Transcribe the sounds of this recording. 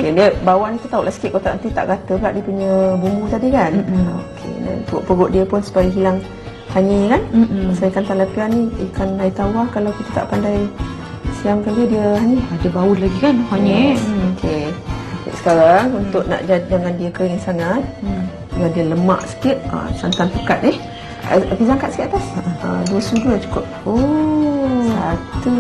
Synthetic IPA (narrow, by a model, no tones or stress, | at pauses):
okediəbawaʔnit̪ut̪auʔlahsə̥kɪʔ̚kot̪a̰ʔənt̪it̪a̰ʔɡat̪əbɡaʔdiəpuɲəbumut̪adikano̰kʰḛda̰npəoʔpəɡʊʔdiəpʊnsu̥pajaɦilaŋ | t̪aɲəkanmasajəkant̪alapianːiikanlait̪awahkalawkit̪ət̪a̰ʔpandaj | siamkalədiəɦaniadəbaulaɡikanhaɲeokʰekḭʔsə̥kaɾaŋunt̪ʊʔ̚na̰ʔd͡ʒad͡ʒaŋandiəkəɣiŋsaŋat̪̚ | jadəələmaʔsə̥kɪt̪̚ə̰sant̪anpəkat̪̚nɪh | ə̰akizaŋkat̪səkit̪at̪asə̰duəsuduat͡ʃu̥kʊp̚o | sat̪u